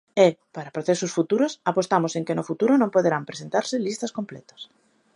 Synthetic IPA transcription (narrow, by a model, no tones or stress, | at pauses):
epaɾapɾoθesʊsfut̪uɾʊsapost̪amʊseŋkenʊfut̪uɾʊnõmpoðeɾampɾesent̪aɾsɪlist̪ɐskomplɛt̪ɐ̥s